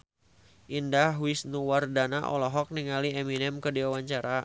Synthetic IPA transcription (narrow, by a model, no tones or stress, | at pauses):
ʔindaɦwisnuwardanaʔɔ̰lɔɦɔk̚niŋaliɛminɛmkədiwawaɲt͡ʃaɾa